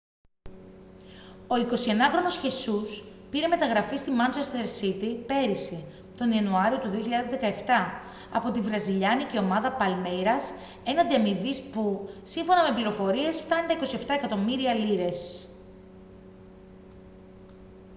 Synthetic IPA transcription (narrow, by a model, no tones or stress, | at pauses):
o̞iko̞sie̞nɐxɾo̞no̞sçe̞suspiɾe̞me̞t̪ɐɣɾɐfist̪imɐnt͡ʃest̪eɾsit̪ipe̞ɾise̞ | t̪o̞niɐnuɐɾio̞t̪uðioçiʎɐðezðe̞kɐeft̪ɐ | ɐ̰po̞t̪ivɾɐziʎɐnice̞o̞mɐðɐpɐlmejɾɐs | e̞nɐnd̪iɐmivispusiɱfo̞nɐme̞pliɾo̞fo̞ɾie̞sft̪ɐnd̪ɐiko̞sie̞ft̪ɐekɐt̪o̞miɾiɐliɾe̞s